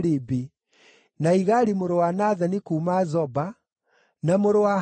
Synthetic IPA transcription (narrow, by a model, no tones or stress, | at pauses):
ɾibi | naiɣaɾimoɾowanaðanikuːmazɔba | namoɾowa